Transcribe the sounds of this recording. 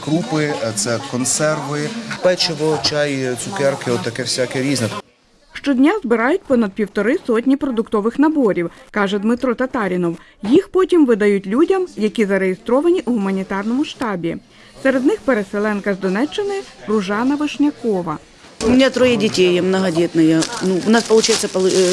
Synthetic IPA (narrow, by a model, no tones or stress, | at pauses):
kɾupɪt̪sɛkɔnsɛrʋɪpɛt͡ʃɪʋɔt͡ʃɑjt̪sʊkɛrkɪɔt̪ːɐkɛwsʲakɛɾʲiznɛ | ʃt͡ʃɔdʲnʲazbɪɾɑjʊt̚ʲpɔnɐd̪̚pʲiwt̪ɔɾɪsɔtʲnʲipɾɔd̪ʊkt̪ɔʋɪxnɐbɔɾʲiwkɑʒɛd̪mɪt̪ɾɔt̪ɐt̪ɑɾʲinɔw | jixpɔtʲimʋɪd̪ɐjutʲlʲudʲɐmjɐkʲizɐɾejest̪ɾɔʋɐnʲiʔuɦʊmɐnʲit̪ɑrnɔmʊʃt̪ɑbʲi | sɛɾe̞d̪nɪxpeɾeselˠɛnkɐzd̪ɔnɛt͡ʃːɪnɪrʊʒɑnɐʋɪʃnʲɐkɔʋɐ̰ | ʊmʲɪnʲat̪ɾɔjɛdʲitʲejɛmnɐɦɐdʲɛt̪nɐjɐnuʋnɑspɐlˠʊt͡ʃajetsʲːɐɐ